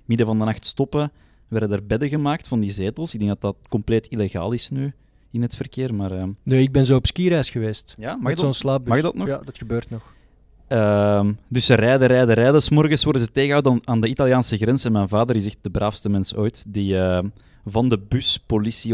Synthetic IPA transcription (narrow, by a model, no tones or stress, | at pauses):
mɪdəvɑndənɑxtstɔpə | ʋɛrdədərbɛdəɣəmaːk̚tfɑndizeːtəlˠsɪɡdɛŋɡdɑtdɑt̚kɔmpleːtileɣa̰ːlˠɪsnyː | ɪnɦətfərkeːrmaːrəːnyːɪɡ̚bɛnzoːɔpskiɾɛːsxəʋeːstjaːmaonslaːp̚bmaxdɑtnɔjdɑtxəbøːrtnɔx | əmdʏsərɛːdəɾɛːdəɾɛdəsmɔrɣəsʋɔrdəzəteːɣəɦawdaːndəitɑljaːnsəɣrɛnsɛnmɛjnvaːdəɾɪsɛxt̚d̥əbrʔaːfstəmɛnso̰ːjtdiəː | vɑndəbyspolisi